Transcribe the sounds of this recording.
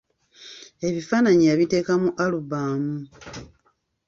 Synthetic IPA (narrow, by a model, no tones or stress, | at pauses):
e̞βifaːnaɲijaβite̞ːkamuʔaluβaːmu